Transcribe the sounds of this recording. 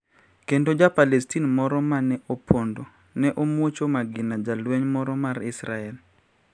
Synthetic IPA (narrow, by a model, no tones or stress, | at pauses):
kendod͡ʒapalɛstinmɔɾɔmanɛʔopʰondo | nɛʔomwot͡ʃomaɡɪnad͡ʒalwɛɲmɔɾɔmaɾɪsɾaɛl